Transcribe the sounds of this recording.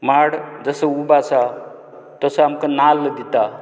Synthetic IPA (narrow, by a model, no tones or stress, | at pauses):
maɽd͡zəsəubasa | t̪əsəamkənald̪it̪a